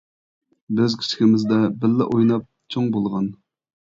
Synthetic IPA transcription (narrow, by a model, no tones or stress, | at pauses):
bøzkʲʰi̥t͡ʃʰi̥kʲɪmɪzd̪ɛbɪlːɪ̰ʔojnɑp̚t͡ʃʰoŋbolˠʁɑn